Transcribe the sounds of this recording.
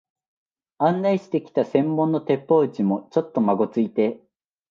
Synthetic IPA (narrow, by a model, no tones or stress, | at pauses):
ãnːaiɕi̥t̪e̞kʲi̥t̪asẽ̞mːõ̞nːo̞t̪e̞pːo̞ːt͡ɕimo̞t͡ɕo̞t̪ːo̞maɡo̞t͡sɨit̪e̞